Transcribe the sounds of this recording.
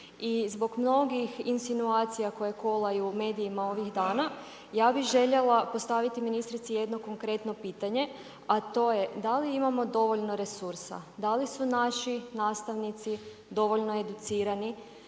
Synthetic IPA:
izbo̞ɡmno̞ɡixinsinuaːt̪sijako̞je̞ko̞lˠajuume̞ːd̪iːmao̞ʋiɣd̪aːna | jaːbiɣʒe̞ʎe̞lˠapo̞st̪aʋit̪iminist̪ɾit̪sije̞d̪no̞ko̞ŋkɾe̞t̪no̞piːt̪aɲe̞ | at̪o̞jed̪aliimamo̞d̪o̞ʋoʎno̞ɾe̞suɾsa̰d̪alisunaʃinaːst̪aʋnit̪si | d̪o̞ʋo̞ʎno̞e̞d̪ut̪siːɾani

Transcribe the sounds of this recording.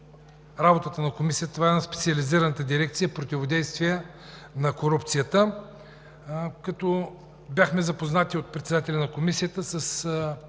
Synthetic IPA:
ɾabot̪ət̪ənɐkomisiət̪əvaɛnaspɛt̪siɐliziɾənət̪əd̪iɾɛk̚t̪sijəpɾot̪ʲivod̪ɛjst̪vijə | nɐkoɾup̚t̪sijət̪ə | kɐt̪ɔ | bjaxmɛzɐpoznat̪iot̪̚pɾɛt̪sɛd̪at̪ɛlʲɐnɐkomisijət̪əsəs

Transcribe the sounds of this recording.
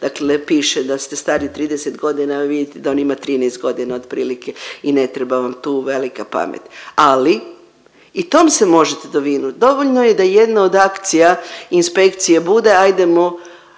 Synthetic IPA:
d̪̥aklepiːʃed̪ast̪e̞st̪aːɾit̪ɾiːd̪eset̪ɡo̞d̪inaʋid̪jit̪ed̪ao̞nimat̪ɾiːnest̪̚ɡo̞d̪inao̞d̪pɾiːlike̞ine̞t̪ɾe̞baʋamt̪uːʋe̞likapa̰mḛt̪ali | it̪omsemo̞ʒet̪ed̪oʋiːnut̪d̪o̞ʋoʎʲnojed̪aje̞d̪nao̞d̪akt̪sijainspe̞kt̪sijebud̪e̞ajd̪e̞mo

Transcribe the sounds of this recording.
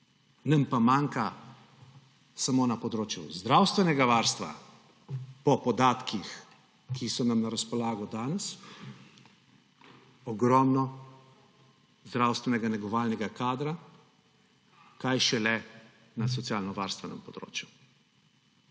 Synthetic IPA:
nɐmpamaːŋka | samoːnapɔd̪ɾoːt͡ʃjṵzd̪ɾawst̪ʋɛnɛɡaʋaːɾst̪ʋa̰ | pɔpɔd̪aːt̪kix | kʰisɔnamnaɾaspɔlaːɡɔd̪aːnɛs | ɔɡɾɔmnɔ | zd̪ɾawst̪ʋɛnɛɡanɛɡɔʋaːlnɛɡakaːd̪ɾa | kajʃɛlɛ | nas̬ɔt̪sijaːlnɔʋaːɾst̪ʋɛnɛ̰mpɔd̪ɾo̰ːt͡ʃju

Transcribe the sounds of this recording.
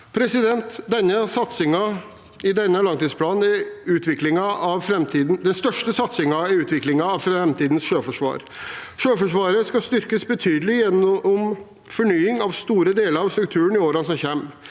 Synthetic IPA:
pʰɾɛsɪd̪ɛnt̪d̪ɛnːəsɑt̪sɪŋɑ | ɪd̪ɛnːəlɑŋt̪iːd̪spʰlɑːnɛʉːt̪ʰʋɪklɪŋɑɑʋfɾɛmt̪ʰiːd̪n̩d̪ɛnst̪œʂʈəsɑt̪sɪŋɑʉːt̪ʰʋɪklɪŋɑːʋfɾɛmt̪ʰiːd̪n̩sʂøːfɔʂʋɑ̰ːɾ | ʂøːfɔʂʋɑːɾəskɑst̪ʏɾkəsbɛt̪ʰyːd̪əlɪjɛnːɔm | fɔɳyːɪŋɑʋst̪uːɾəd̪eːləɾɑʋst̪ɾʉk̚t̪ʰʉːənɪoːɾɑnsɔmçɛmː

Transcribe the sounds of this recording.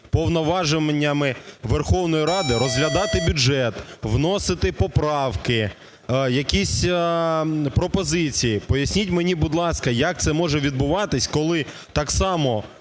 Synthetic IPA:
pɔwnɔʋɑʒɪmenʲːɐmɪʋerxɔwnɔjiɾɑd̪ɪɾɔzɦlʲɐd̪ɑt̪ɪbʲʊʒɛt̪ʋnɔsɪt̪ɪpɔpɾɑwkɪ | jɐkʲisʲ | pɾɔpɔzɪt͡sʲijipɔjɐsʲnʲitʲmenʲibʊd̪lˠɑskɐjɐk̚t̪sɛmɔʒɛʋʲid̪bʊʋɑt̪ɪsʲkɔlˠɪ | t̪ɑksɑmɔ

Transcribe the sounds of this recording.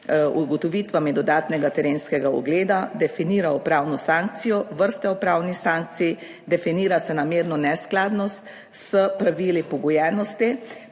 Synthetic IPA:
uɡɔt̪ɔʋiːt̪ʋamɛd̪ɔd̪aːt̪nɛɡat̪ɛɾeːnskɛɡaɔ̰ɡleːd̪ad̪ɛfiniːɾaɔpɾaːwnɔsãŋk̚t̪sijɔʋəɾst̪ɛɔpɾaːwnixsaːŋk̚t̪sij | d̪ɛfiniːɾasɛnameːɾnɔnɛsklaːd̪nɔst̪ | səpɾaʋiːlipɔɡɔjɛːnɔst̪i

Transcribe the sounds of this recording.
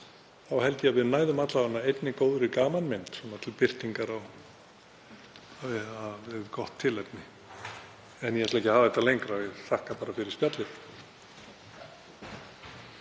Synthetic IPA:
θawhɛlcɪaðvɪðnaːjðʏmat̪laanːaejt̪nɪkoːwðɾɪkaːmanmɪnt̪sɔnat̪ʰɪlpɪr̥t̪iŋkaɾaw | aɪaɪkɔht̪ʰːɪlɛjpnɪ | ɛnjɛhɛt̪lɛhcɪhaːvaðɛt̪alejŋkɾavɪðθahkapaːɾafɪɾɪɾ̥spjat̪lɪθ

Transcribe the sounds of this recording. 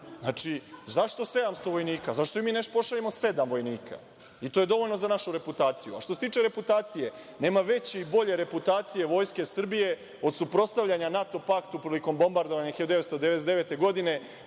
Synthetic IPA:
nat͡ʃizaʃt̪o̞se̞d̪amst̪o̞ʋo̞jniːkazaʃt̪o̞imiːneʃopo̞ʃaʎemo̞se̞d̪amʋo̞jniːkʰa̰ | it̪o̞jed̪o̞ʋo̞ʎno̞zanaʃuɾe̞put̪aːt̪sijua̰ʃt̪ose̞t̪iːt͡ʃe̞ɾe̞put̪aːt̪sije̞ | ne̞ːmaʋe̞t͡ɕeibo̞ʎe̞ɾe̞put̪aːt̪sije̞ʋo̞ːjske̞srbije̞ | o̞d̪supɾo̞st̪aʋʎaɲanat̪o̞pakt̪upɾiliko̞mbo̞mbaɾd̪oʋaɲaixejod̪eet̪st̪od̪eeesd̪eʋe̞t̪e̞ɡo̞d̪ine̞

